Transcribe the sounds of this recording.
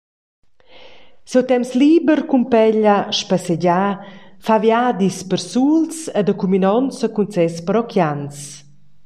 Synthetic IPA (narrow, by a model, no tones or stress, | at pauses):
sɛwt̪ɛmsliːbəɾkumpɛʎaʃpasɛɟafavjad̪ispəɾsulsɛd̪əkuminɔnsəkunt͡sɛspəɾɔkʰjans